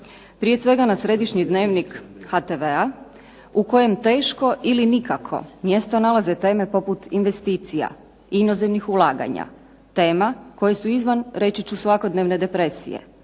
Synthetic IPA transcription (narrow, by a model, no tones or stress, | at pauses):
pɾije̞sʋe̞ɡanasɾe̞d̪iʃɲid̪ne̞ːʋnikhat̪eʋea | uko̞je̞mt̪e̞ːʃko̞ʔilinikakʰo̞̰mje̞st̪o̞nalˠazet̪e̞ːme̞po̞put̪inʋe̞st̪iːt̪sija̰ | ino̞zemnixulˠaːɡa̰ɲa̰ | t̪e̞ːmako̞jesuizʋanɾe̞t͡ʃit͡ɕusʋako̞d̪neʋne̞d̪e̞pɾe̞sḭjḛ